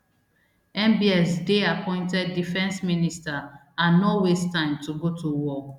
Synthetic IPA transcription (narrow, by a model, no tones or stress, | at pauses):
ɛ̃mbiɛsdeapʰɔ̃ɪ̃ntɛdːifɛ̃nsminista | ãnowestãɪ̃mtʰuɡotʰuwɔ